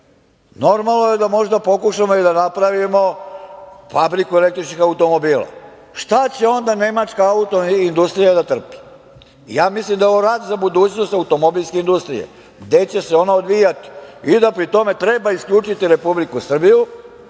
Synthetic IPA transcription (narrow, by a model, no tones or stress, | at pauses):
no̞ɾmalnoje̞d̪amo̞ʒd̪apo̞kuʃamoid̪anapɾaʋimo̞ | fabɾikuelekt̪ɾit͡ʃnixaut̪o̞mo̞biːlˠa̰ | ʃt̪at͡ɕe̞o̞nd̪ane̞mat͡ʃkaaut̪o̞ind̪ust̪ɾijad̪at̪r̩pi̥̰ | jaːmislimd̪ajoʋoɾaːd̪zabud̪uːt͡ɕno̞st̪aut̪o̞mo̞bilˠʲske̞ind̪ust̪ɾḭjḛ | ɡd̪e̞t͡ɕe̞seo̞naod̪ʋijat̪i̥id̪apɾit̪o̞me̞t̪ɾe̞baiskʎuːt͡ʃit̪iɾe̞publikusr̩biju